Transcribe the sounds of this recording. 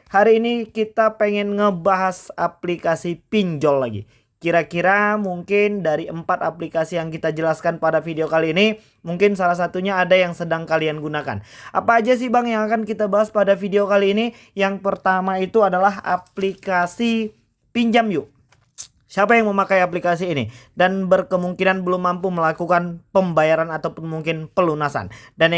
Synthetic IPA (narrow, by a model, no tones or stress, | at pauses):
haɾiːnikit̪apeŋɛnŋəbaɦasaplikasipiɲd͡ʒɔlːaɡḭ | kiɾakiɾamuŋkɪndaɾiəmpat̪aplikasijaŋkit̪ad͡ʒəlaskanpadafideokaliːni | muŋkɪnsalahs̬at̪uɲaːdajaŋsədaŋkalianɡunaka̰nʔa̰paːd͡ʒas̬ibaŋjaŋakankit̪abaɦaspadafideokaliːni | jaŋpərt̪amait̪uadalaɦa̰plikasi | piɲd͡ʒamju | siapajaŋməmakajaplikas̬iːnidanbərkəmuŋkinanbəlʊmːampuməlakukanpəmbajaɾanat̪awpʊnmuŋkɪnpəlunasa̰ndan